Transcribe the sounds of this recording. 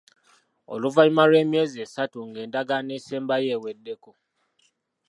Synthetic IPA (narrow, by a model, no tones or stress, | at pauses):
o̰luvaimalwe̞ːmjeːzieːsatuŋɡe̞ːndaɡaneːseːmbaje̞ːwedːe̞ko